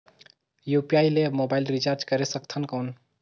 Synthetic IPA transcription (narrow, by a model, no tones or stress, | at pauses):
jupijailemobailɾit͡ʃaɾd͡ʒkəɾesəkt̪ʰənkəwn